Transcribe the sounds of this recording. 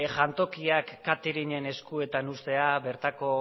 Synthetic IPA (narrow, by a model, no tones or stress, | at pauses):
ʝant̪o̞kiakːat̪eɾiɲe̞ne̞skue̞t̪anust̪e̞abe̞ɾt̪ako̞